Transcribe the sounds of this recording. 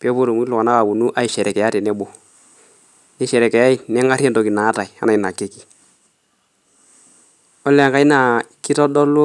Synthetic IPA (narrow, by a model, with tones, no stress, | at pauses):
pi˦ɔ˦po˦to˨mu˦ki˦lʊ˨ka˨na˦ka˨bu˨nu˦ʔa˦i˨ʃɛ˨ɾɛ˨kɛ˨ja˦tɛ˨nɛ˦bʊ˨ | nɪ˦ʃɛ˨ɾɛ˨kɛ˨ja˦i˦nɛ˦ŋa˦ɾɛ˦nto˨ki˨na˨˦ta˨i˨a̰˦na˨ɪ˨na˨ke˦ki˨ | ɔ˦lːɛ˨ŋka˦i˦na˨ki˦tɔ˦dɔ˦lʊ˦